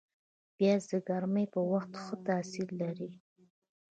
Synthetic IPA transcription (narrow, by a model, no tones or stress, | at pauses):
b̥jɑzəɡaɾməjpəwaxt̪xət̪asillaɾi